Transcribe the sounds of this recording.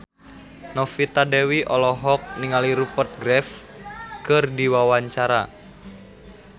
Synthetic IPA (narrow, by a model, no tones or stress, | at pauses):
nɔfit̪adɛwiʔɔlɔɦɔk̚niŋaliɾupərt̪̚ɡɾɛf | kɨrdiwawaɲt͡ʃaɾa